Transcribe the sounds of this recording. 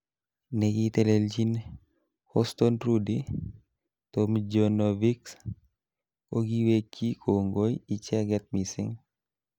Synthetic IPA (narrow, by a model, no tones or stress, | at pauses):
nɛɡit̪ɛleld͡ʒin | hɔstɔnɾudi | tomd͡ʒonoviks | koɡiwekːikʰoŋɡojit͡ʃɛɡɛt̪̚misḭŋ